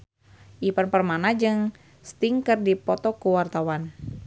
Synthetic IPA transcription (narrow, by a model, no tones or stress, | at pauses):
ʔipənpərmanad͡ʒɨŋ | st̪iŋkɨrdipɔt̪ɔkuwart̪awan